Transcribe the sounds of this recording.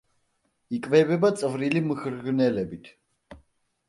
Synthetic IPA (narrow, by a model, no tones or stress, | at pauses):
ikʼvɛbɛbat̪sʼvɾilimxɾɡnɛlɛbit̪ʰ